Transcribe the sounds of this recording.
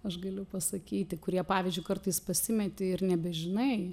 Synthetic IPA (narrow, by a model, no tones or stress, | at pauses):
ɐʃɡɐlʲʊpɐsɐkʲiːt̪ʲɪkʊɾʲiɛpɑːʋʲɪzʲd͡ʒʲʊɪkɐrt̪ɐɪspɐsʲɪmʲɛt̪ʲeɪɾnʲɛbʲɛʒʲɪnɐɪ